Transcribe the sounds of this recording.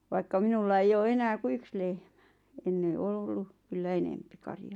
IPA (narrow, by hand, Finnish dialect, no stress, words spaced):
ʋɑikːɑ minulːɑ eij oː enæː ku yks lehm̥æ̥ enːe ol olːu kylːæ enempi kɑrjɑ̥ː